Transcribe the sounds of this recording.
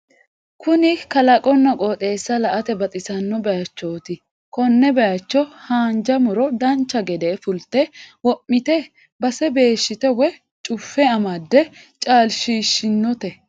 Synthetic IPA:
kʊnɪkɐlɐkʼɔnːɐkʼɔt̪ʼe̞ːsːɐlɐʔɐt̪ɛbɐt̪ʼɪsɐnːɔbɛjɐt͡ʃːoːt̪ɪ | kɔnːɛbɛjɐt͡ʃːɔhaːnd͡ʒɐmʊɾɔd̪ɐnt͡ʃːɐɡɛd̪eːfʊlt̪ɛwɔʔːɪt̪ɛ | bɐsɛbe̞ːʃːɪt̪ɛwɛ | t͡ʃʼʊfːɛɐmɐd̪ːɛ | t͡ʃʼaːlʃiːʃːɪnːɔt̪ɛ

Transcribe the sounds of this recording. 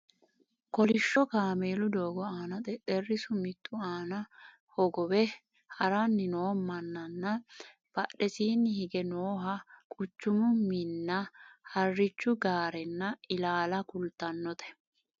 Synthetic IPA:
kɔlɪʃːɔkaːmeːlʊd̪oːɡɔaːnɐt̪ɛt̪ʼɛrːɪsʊmɪt̪ʼːʊaːnɐ | hɔɡɔwɛ | hɐɾɐnːɪnoːmːɐnːɐnːɐ | b̥ɐɗːɛsiːnːɪhɪɡɛnoːɦɐkʼʊt͡ʃːʊmʊmɪnːɐhɐrːɪt͡ʃːʊɡaːɾɛnːɐɪlaːlɐkʊlt̪ːɐnːɔt̪ʰɛ̥

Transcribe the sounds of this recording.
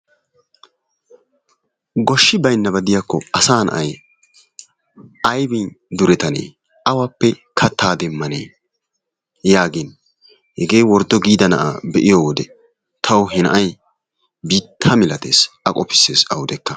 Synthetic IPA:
ɡɔʃːɪbɐjnːɐbɐd̪ɪjakːɔɐsaːnɐ̰ʔɐj | ɐjbɪnd̪ʊɾɛt̪ɐnḛː | ɐwɐpːɛkʰɐt̪ːaːd̪ɛmːɐnḛː | jaːɡɪn | hɛɡe̞ːwɔɾd̪ɔɡiːd̪ɐnɐ̰ʔa̰ːbɛʔɪjowɔd̪ɛ | t̪ʰɐwɦɛnɐ̰ʔɐj | biːt̪ʰːɐmɪlɐt̪ḛːsɐkʼɔpɪ̥sːeːsɐwd̪ɛkːɐ

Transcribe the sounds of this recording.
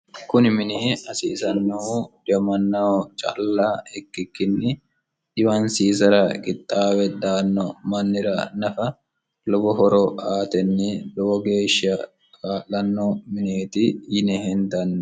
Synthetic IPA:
kʊnɪmɪneːɐsḭːsɐnːɐud̪ɪɐmɐnːɐɔt͡ʃʼa̰lːaːɛkːɪkːɪnːɪ | ᶑɪwɐnsiːs̬ɐɾɐɡʼɪt̪ʼːaːwɛd̪aːnːɔmɐnːɪɾɐnɐfɐ | lɔbɔɦɔɾɔaːt̪ɛnːɪlɔbɔɡeːʃɐ | kʼaːlːɐnːɔmɪneːt̪ɪjɪnɛhɛnd̪ɐnː

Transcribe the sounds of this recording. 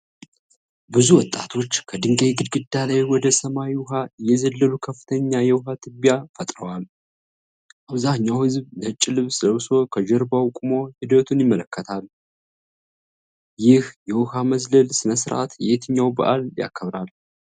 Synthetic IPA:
bɨzuwɔt̪ʼːat̪ʰo̞t͡ʃːkʰəd̪ɨŋɡejɡɨd̪ɡɨd̪ːalajwɔd̪əsəmajiwʊɦajɛzəlːəlukʰəfːɨ̥t̪ʰəɲːajɛwʊɦat̪ʰɨbjafət̪ʼɾəwal | ʔaβzaɲːawhɨzblət͡ʃʼːɪlɨβsɨləwso̞kʰəd͡ʒɛɾbawkʼumo̞hɪd̪ət̪ʰunjɪmːələkʰːət̪ʰal | jɪhjɛwʊhaməzləlsɨnəsɨɾʔa̰t̪jɛet̪ʰɨɲːawbə̰ʔalja̰kʰːəβɾal

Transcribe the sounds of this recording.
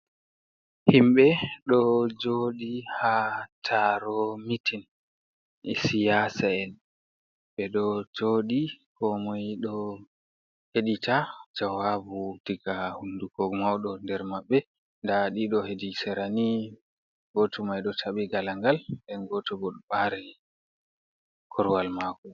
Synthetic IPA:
himɓɛɗɔd͡ʒoɗihatʰaɾomitin | ɛsijasaɛn | ɓɛɗɔd͡ʒoɗikɔmɔjɗɔ | heɗitʰad͡ʒawabudiɡahunduɡɔɡmawɗɔndɛɾmaɓːɛ | ndaɗiɗɔhedisɛɾani | ɡɔtʰumajɗɔtʰaɓiɡalaŋɡalɗɛnɡɔtɔbɔɗɔɓaɾɛ | kʰɔɾwalmakɔ

